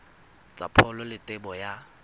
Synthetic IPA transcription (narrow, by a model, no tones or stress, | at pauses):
t͡sʼa̰pʰɔlɔlɪtʼɪbɔja